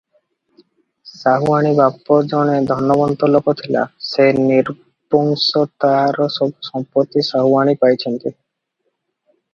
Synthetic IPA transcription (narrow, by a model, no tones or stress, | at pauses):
saɦuaɽ̃ibapːɔd͡ʒɔɽ̃ed̪ʱɔnːɔbɔnt̪ɔlokɔt̪ʰila̰seniɾ | bɔŋsɔt̪aɾɔsɔmpɔt̪isaɦuaɽ̃ipajt͡ɕʰent̪i